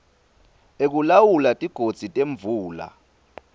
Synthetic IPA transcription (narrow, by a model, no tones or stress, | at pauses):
ek̬ulawulatʼiɡ̥ʱod̥z̥ʱitʼeɱbvuːla̰